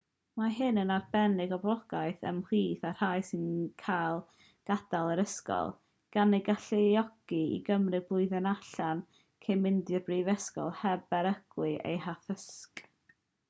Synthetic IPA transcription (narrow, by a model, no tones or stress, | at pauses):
maɦɨnənarbɛnɪɡɔblˠɔɡ̥ajθə̰mr̥iːθar̥hajsɪnkʰajlˠ | ɡ̥ad̥alˠəɾəskɔ̰lˠ | ɡ̥aneɡaɬeɔɡ̥iḭɡəmrɨɡbʊɨðɛnaɬan | kʰejmɪndɨrbriːvɛskɔ̰lˠhɛbɛɾəɡ̥wɨʔḛjɦaθəsk